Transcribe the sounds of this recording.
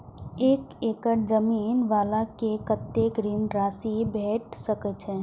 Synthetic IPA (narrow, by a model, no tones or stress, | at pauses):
eːkeːkəɾd͡ʒəmiːnʋaːlakekət̪ːeːkɾinɾaːsibʱɛːʈʰsəkət͡ʃʰɛ̃